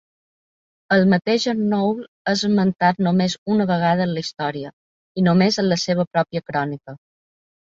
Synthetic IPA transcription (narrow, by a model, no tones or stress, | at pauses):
əlˠmət̪eʒənowl | əzəmənt̪at̪̚nomezunəβəɣ̞að̞əːnləist̪ɔɾiə | inomezənləseβ̞əpɾɔpiəkɾɔnikə